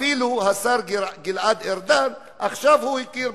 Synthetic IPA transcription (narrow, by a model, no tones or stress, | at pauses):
iluhasaɾɡilʕad̪eɾd̪an | ʔaχʃavhuhikiɾ